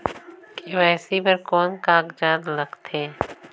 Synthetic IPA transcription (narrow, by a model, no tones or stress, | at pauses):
keʋɛːsipəɾkɔːnkaːkd͡ʒaːd̪ləɡt̪ʰeː